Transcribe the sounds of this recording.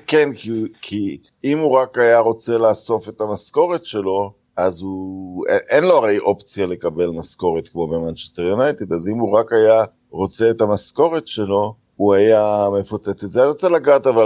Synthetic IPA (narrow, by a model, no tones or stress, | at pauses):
kenkikʰi | imuʁakajaʁo̞t͡se̞laːso̞fe̞t̪amasko̞ʁetʃe̞lo̞ | azueʔenlo̞aʁejʔo̞pt͡sijale̞kabe̞lmasko̞ʁet̪kmo̞bemant͡ʃesteʁjunajt̪ed̪azimuʁakaja | ʁo̞t͡se̞ːt̪amasko̞ʁetʃe̞lo̞ | uajame̞fot͡set͡setzeaʁot͡selaɡaːt̪aval